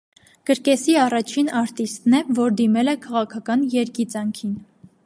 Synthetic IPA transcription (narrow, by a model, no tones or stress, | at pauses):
ɡ̥əɾkɛsiɑrɑt͡ʃʰinɑɾt̪ist̪nɛvɔɾd̪imɛlɛkʰɑʁɑkʰɑkɑnjɛɾkit͡sɑŋkʰin